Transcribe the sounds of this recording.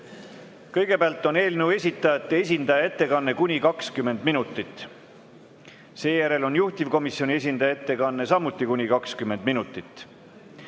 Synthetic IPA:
kɤjɡ̥e̞peɑlt̪ːˑo̞ne̞ːlnewe̞sʲit̪ːˑɑjɑt̪ːˑees̬ʲind̪ɑjɑe̞t̪ːe̞kɑnːe̞kunʲikɑkskymːe̞nd̪minut̪ːˑit̪ːˑ | se̞ːjæɾe̞lo̞njuht̪ivko̞misjo̞nʲie̞sʲind̪ɑjɑet̪ːe̞kɑnːe̞sɑmut̪ːˑikunʲikɑkskymːe̞nd̪minut̪ːˑit̪ˑː

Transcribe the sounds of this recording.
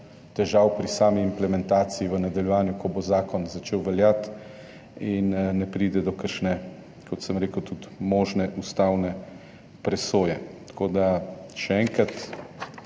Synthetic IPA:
t̪ɛʒawpɾisaːmiːmplɛmɛnt̪aːt̪siiʋənad̪ɐljɛʋaːnjukɔbozaːkɔnzat͡ʃeːwʋɛljat̪ | innɛpɾiːd̪ɛd̪ɔkəɾʃnɛ | kʰɔt̪səmɾeːkəwt̪ut̪moːʒnɛʔust̪awnɛ | pɾɛsoːjɛt̪kʰoːd̪aʃɛɛːŋkɾat̪

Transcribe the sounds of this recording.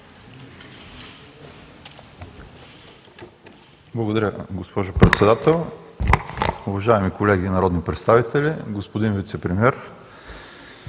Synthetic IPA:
blˠɐɡod̪ɐɾʲəɡospɔʒʊpɾɛt̪sɛd̪at̪ɛlˠ | ʊvɐʒaɛmikolɛɡiːnɐɾɔd̪nipɾɛt̪st̪avit̪ɛlʲiɡospod̪invit̪sɛpɾɛmiɛɾ

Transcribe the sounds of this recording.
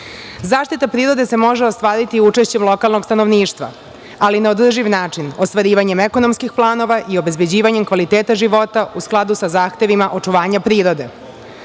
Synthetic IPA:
zaːʃt̪it̪apɾiːɾo̞d̪e̞se̞mo̞ʒeo̞st̪ʋaːɾit̪iut͡ʂe̞ʃt͡ɕemlˠo̞kalˠno̞ɡst̪ano̞ʋniːʂt̪ʋa̰ | alinaod̪r̩ʒiʋnaːt͡ʂinost̪ʋaɾiːʋaɲe̞meko̞no̞mskixplˠaːno̞ʋaʔio̞bezbe̞d͡ʑiːʋaɲe̞mkʋalit̪eːt̪aʒiʋo̞t̪ausklˠad̪usazaːxt̪e̞ʋimaʔo̞t͡ʂuʋaːɲapɾiːɾo̞d̪e̞

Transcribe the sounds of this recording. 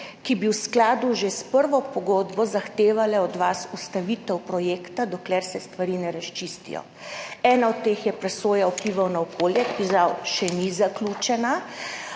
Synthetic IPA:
kibiwsklaːd̪uʒespəɾʋɔpɔɡoːd̪bɔzaxt̪eːʋalɛɔd̪ʋasust̪aʋit̪ɛwpɾɔjeːkt̪ad̪ɔklɛɾsɛst̪ʋaɾinɛɾaʃt͡ʃist̪ḭjɔ̰ | ɛːnaɔt̪t̪ːexjɛpɾɛsoːjaɔpliʋawnaɔkoːljɛkpizawʃɛnizaklut͡ʃɛna

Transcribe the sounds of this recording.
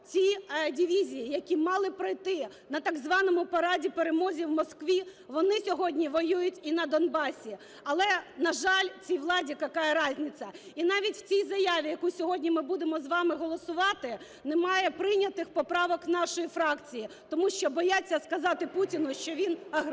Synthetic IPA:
t͡sʲidʲɪʋʲizʲijijɐkʲimɑlˠɪpɾɐjt̪ɪ | nɐt̪ɑɡzʋɑnɔmʊpɐɾɑdʲipeɾemɔzʲiwmɔskʋʲiʋɔnɪsʲɔɦɔdʲnʲiʋɔjujʊtʲinɐd̪ɔnbɑsʲi | ɐlˠɛnɐʒɑlʲt͡sʲijʋlˠɑdʲikɐkɑjɛɾɑzʲnʲɪt͡sʲɐinɑʋʲitʲw̥t͡sʲijzɐjaʋʲijɐkusʲɔɦɔdʲnʲimɪbud̪emɔzʋɑmɪɦɔlˠɔsʊʋɑt̪ɪ | nemɑjɛpɾɪnʲɐt̪ɪxpɔpɾɑʋɔknɑʃɔjifɾɑkt͡sʲiji | t̪ɔmuʃt͡ʃɔbɔjat͡sʲːɐskɐzɑt̪ɪputʲinʊʃt͡ʃɔʋʲinɐɦ

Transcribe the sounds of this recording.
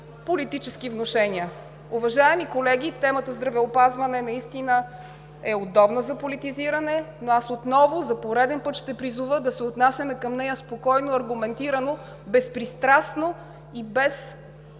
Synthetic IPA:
polit̪it͡ʃɛsk̟ivnoʃɛniə | ʊvɐʒaɛmikolɛɡ̟it̪ɛmət̪əzd̪ɾɐvɛopazvɐnɛnɐist̪inə | ɛod̪ɔbnəzɐpolit̪iziɾɐnɛnoasot̪nɔvʊzɐpoɾɛd̪ɛnpɤt̪ʃt̪ɛpɾizuvəd̪ɐsɛot̪nasʲjɐnɛkɐmnɛjəspokɔjnoɐɾɡʊmɛnt̪iɾɐno | bɛspɾist̪ɾasno | ibɛs

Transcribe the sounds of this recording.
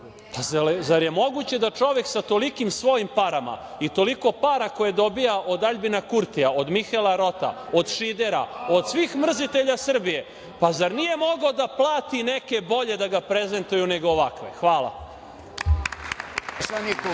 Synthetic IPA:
pazazaɾje̞mo̞ɡut͡ɕe̞d̪at͡ʂo̞ʋe̞ksat̪o̞likimsʋo̞jimpaɾama̰it̪o̞liko̞paɾako̞jed̪o̞bijaʔo̞d̪aʎbinakuɾt̪iaod̪mixelaɾo̞t̪a̰o̞d̪ʃid̪eɾa̰o̞d̪sʋiːxmr̩zit̪e̞ʎasr̩bije̞ | pazaɾnije̞mo̞ɡaod̪aplˠaːt̪ine̞ke̞bo̞ʎe̞d̪aɡapɾe̞ze̞nt̪ujune̞ɡoːʋakʋḛxʋaːlˠa̰ | sanik

